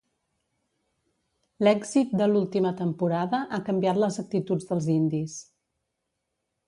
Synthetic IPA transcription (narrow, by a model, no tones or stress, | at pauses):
lɛɡzit̪̚d̪əlulˠt̪imət̪əmpuɾaðəʔakəmbiat̪ləzək̚t̪it̪ud͡zðəlˠzind̪is